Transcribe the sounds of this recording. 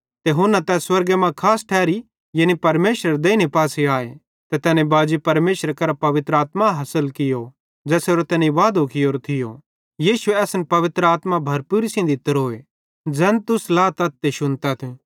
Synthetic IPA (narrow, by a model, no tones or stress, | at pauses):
t̪eɦʊnãt̪ɛswɐɾɡemãkʰaːsʈʰɛːɾi | jɐnipɐɾmeːʃɾəɾd̪eːinepaːseaːe | t̪ɛt̪ɛːnẽbaːd͡ʒipɐɾmeːʃɾkɐɾapɐʋɪt̪ɾəaːt̪maɦɐsəlkɪjo | d͡ʒɛːseoɾot̪ɛːniʋaːd̪okɪoːɾt̪ʰɪjo | jiːsʊeɐːsnpɐʋɪt̪ɾəaːt̪mabʱɐɾpuːɾisĩd̪iɪt̪ːəɾɦoːe | d͡zɛːnt̪ʊslaːt̪ɐt̪ːeʃʊnt̪at̪ʰe